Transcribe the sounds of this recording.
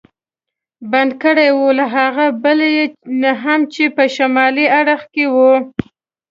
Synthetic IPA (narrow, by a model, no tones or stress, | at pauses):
band̪kəɽajwulaɦaɣabəljenaɦamt͡ʃepəʃamɑliaɽəxkewu